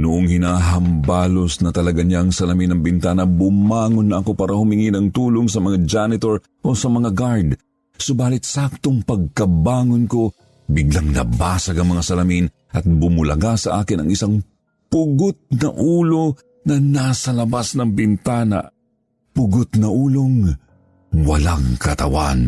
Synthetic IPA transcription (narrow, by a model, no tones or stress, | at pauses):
nʊʔoŋhɪnaːɦɐmbaːlosnɐt̪ɐlɐɡaɲaʔɐŋsɐlɐminɐŋbɪnt̪aːnɐbʊmaːŋonːɐʔɐko̞paːɾɐhʊmɪŋinɐŋt̪uːloŋsɐmɐŋad͡ʒanɪt̪oɹ | ʔo̞sɐmɐŋaɡaɹd̪ | sʊbaːlɪt̪̚sak̚t̪oŋpɐɡ̚kɐbaːŋonko̞ | bɪɡlaŋnɐ̰baːsɐɡɐŋmɐŋasɐlɐmin | ʔɐt̪̚bʊmʊlɐ̰ɡasɐʔaːkɪnɐ̰ŋɪsaŋ | pʊɡot̪̚nɐʔuːlo | nɐnasɐlɐbasnɐŋbɪnt̪aːnɐ̰ | pʊɡot̪nɐʔuːloŋ | wɐlaŋkɐt̪ɐ̰wa̰n